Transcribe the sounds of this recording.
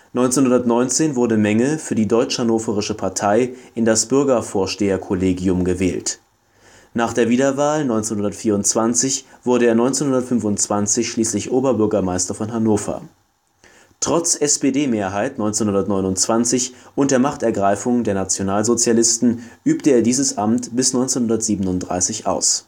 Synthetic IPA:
nɔʏnt͡senhʊndɐtnɔʏnt͡seːnvʊɐdəmɛŋəfyːɐdiːdɔʏt͡ʃhanoːfəʁ̞ɪʃəpʰaɐtʰaɪʔɪndasb̥ʏɐɡɐfoːɐʃteːɐkʰoleːɡiʊmɡəvɛːlt | naːχd̥eːɐviːdɐvaːlnɔʏnt͡senhʊndɐtfiːɐʊntt͡sv̥ant͡sɪçv̥ʊɐɾəeːɐnɔʏnt͡senhʊndɐtfʏnfʊnt͡sv̥ant͡sɪçʃliːslɪçʔoːbɐbʏɐɡɐmaɪstɐfɔnɦanoːfɐ̰ | tʁ̥ɔt͡sʔɛspeːdeːmeːɐɦaɪtnɔʏnt͡senhʊndɐtnɔʏnʊnt͡sv̥ant͡sɪçʔʊnt̚d̥eːɐmaχtɛɐɡʁaɪfʊŋdeːɐnat͡sjonaːlzot͡sjalɪstn̩ʔyːptəeːɐdiːzəsʔamtb̥ɪsnɔʏnt͡senhʊndɐtz̥iːbənʊnt̚d̥ʁa̰ɪsɪçʔa̰ʊs

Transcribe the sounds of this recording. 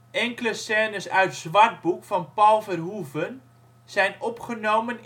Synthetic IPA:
ɛŋkələsɛːnəsœɥtz̥ʋart̚bukfɔnpalˠfərɦuvən | sɛjnɔpχənoːmən

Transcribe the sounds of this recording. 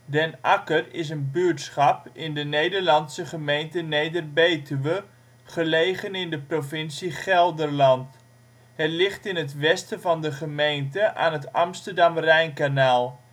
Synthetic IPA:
dɛnakərɪs̬ənbyəɹtsχɑpɪndənejdəɹlɑnsəχəmejntənejdərbejtyʋə | χəlejχənɪndəprofɪnsiχɛlˠdərlɑnt | hɛtlɪχtɪnɦətʋɛstəvɑndəχəmejntəʔaːnɦətɑmstərdɑmrɛjnkanaːlˠ

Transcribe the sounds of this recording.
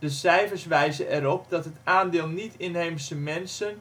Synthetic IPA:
d̥əsɛjfərsʋɛjzəʔɛɾɔp̚dɔtɦətaːndɪːlˠnitɪnɦejmsəmɛnsən

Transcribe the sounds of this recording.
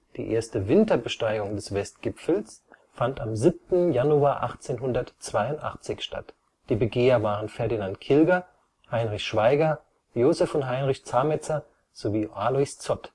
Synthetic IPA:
d̥ḭːʔḛːɐstəvɪntɐbəʃtaɪɡʊŋdɛsv̥ɛstɡ̥ɪpfl̩s | fantamzip̚tn̩januaːʔa̰χt͡seːnɦʊndɐtt͡sv̥aɪʊntʔa̰χt͡sɪçʃta̰t | d̥iːbəɡeːɐvaːʁ̞ənfɛɐdinantkʰɪlɡɐ | haɪnʁɪçʃv̥aɪɡɐ | joːzɛfʊntɦaɪnʁɪçt͡saːmɛt͡sɐ | z̥oviːʔaːlɔɪst͡sɔt

